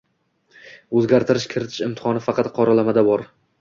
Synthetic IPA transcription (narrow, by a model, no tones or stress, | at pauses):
ɵzɡʲaɾt̪ʰɪɾɪʃkʲʰɪɾɪt̪ʰɪ̥ʃɪmt̪ʰɪ̥χɒnɪfɑqʰɑt̪qʰɒɾalamad̪abɒɾ